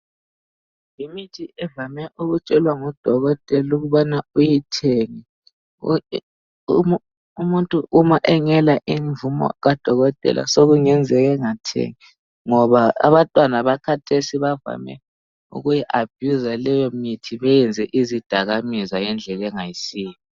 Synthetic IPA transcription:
jimitʰiʔɛvamɛʔuɣut͡ʃʼɛlwaŋɔd̥ʱɔɣɔtʼɛluɣuβanaujitʰeŋi | umuntʼuʔumaʔɛŋɛlaʔiɱvumɔ̰ɣad̥ʱɔɣɔtʼɛ̰lʔa̰soɣuŋɛnd͡zʱɛɣɛŋatʰḛŋi | ŋɔβaa̰βantʼwanaβakʰatʰesiβava̰mɛ̰ | ṵɣujiʔab̥ʱjuzalɛjɔmitʰiβɛjɛnd͡zʱɛʔizid̥ʱaɣamizajɛnd͡ɮʱɛlɛŋajisiːji

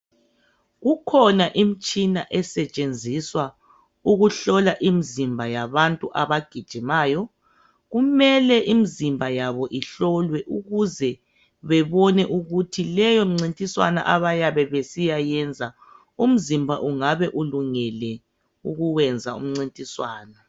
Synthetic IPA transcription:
ɣukʰɔnaʔimit͡ʃʼinaʔɛsɛt͡ʃʼend͡zʱiswa | uɣuɬɔlaʔimizimbʱajaβantʼuʔaβaɡ̥ʱid̥ʒ̥ʱimaːjɔ | ɣumɛlɛʔimizimbʱajaβɔʔiɬɔlwɛʔuɣuzɛ | βɛβɔnɛʔuɣutʰilɛjɔŋ͡ǀintʼiswa̰na̰ʔaβajaβɛβesijajɛnd͡zʱa | um̩zimbʱa̰ʔuŋaβɛʔuluŋɛlɛ | uɣuwɛnd͡zʱaṵm̩ŋ͡ǀintʼiswaːna

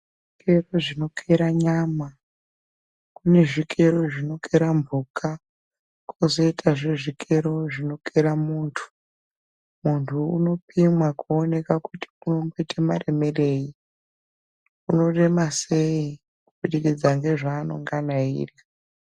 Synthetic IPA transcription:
ʐʐike̞ro̞ʐino̞kʰeɾaɲama | kune̞ʐikʰe̞ɾo̞ʐino̞keɾambʱuka | kʰozo̞itʰaʐeʐikʰe̞ɾo̞ʐino̞keɾamuːntʰu̥ | muntʰuṵno̞pimwakuone̞kakuti̥uno̞mboitʰamare̞me̞re̞i | uno̞re̞mase̞i | kuɓuɗikid͡zaŋɡe̞ʐaːno̞̰ŋɡanaḭːra

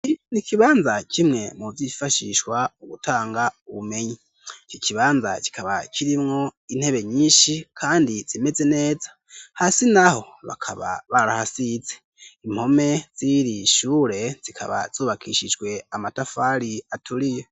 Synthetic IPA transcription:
nikiβaːnzacimŋe̞muvifaʃiʃwauɡutʰaːŋɡauβume̞ɲi | t͡ʃociβaːnza̰ci̥kʰaβacʰiɾimŋo̞in̥he̞βe̞ɲiːnʃikʰaːndiz̥ime̞zene̞ːzḁ | hasinaho̞ | βa̰kʰaβa̰βaɾahasize̞ | imho̞me̞z̥iɾiʃuːɾe̞z̥ikʰa̰βa̰z̥uːβakʰḭʃid͡ʒɡwe̞amatafaɾiatʰuɾijo

